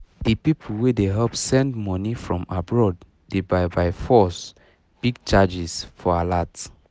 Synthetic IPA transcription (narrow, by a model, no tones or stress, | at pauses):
dipipʰl̩wedeɦɛlpsɛ̃ndmɔnifɹɔ̃mabɹɔd | d̥ebaɪbaɪfɔs | b̥iɡ̚t͡ʃad͡ʒisfɔalat